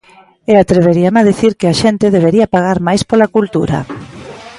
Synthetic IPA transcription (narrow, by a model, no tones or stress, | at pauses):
eat̪ɾeβ̞eɾiamaðiθiɾkɪaʃent̪eðeβ̞eɾiɐpaɣaɾmajspolakult̪uɾɐ̰